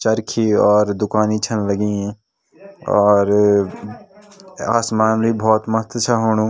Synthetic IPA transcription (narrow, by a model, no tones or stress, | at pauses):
t͡ʃəɾkʰiɔːɾd̪ʊkaːnit͡ʃʰənləɡĩ | ɔːɾ | a̰ːsmaːnlibʱɔːt̪mɐɦət̪wət͡ʃʰaɦoːɽ̃ũ